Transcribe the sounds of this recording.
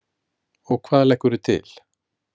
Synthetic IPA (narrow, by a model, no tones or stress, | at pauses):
ɔɣkʰvaːðlɛhkːʏɾʏt̪ʰɪ̰l̥